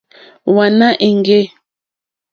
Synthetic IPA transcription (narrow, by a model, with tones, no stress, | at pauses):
wa˨na˦ʔe˨ŋɡe˦